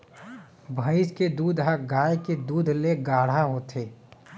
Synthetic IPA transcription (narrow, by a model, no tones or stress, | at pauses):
bʱəɪsked̪uːd̪ʱɦəɡaːjked̪uːd̪ʱleɡaːɽ̤aɦoːt̪ʰeː